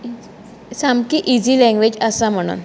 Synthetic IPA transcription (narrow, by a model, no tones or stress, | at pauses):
samkiʔid͡ʑilɛ̃ŋɡʋed͡ʑəsam̤əɽ̃ṵːn